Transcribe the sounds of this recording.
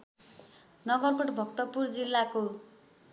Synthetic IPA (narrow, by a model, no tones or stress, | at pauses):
nʌɡʌrkoʈbʱʌkt̪ʌpurd͡zilːako